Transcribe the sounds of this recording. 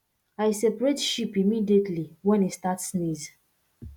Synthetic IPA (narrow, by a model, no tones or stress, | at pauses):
ajsepɹetʃipimidietʰliwɛ̃nistatsniz